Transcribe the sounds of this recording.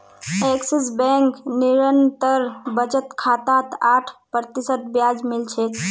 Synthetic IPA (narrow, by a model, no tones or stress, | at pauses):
eksisbɛŋkniɾənt̪əɾbət͡ʃət̪kʰat̪at̪aʈʰpɾət̪isət̪̚bjad͡ʒmilt͡ʃʰɛt̪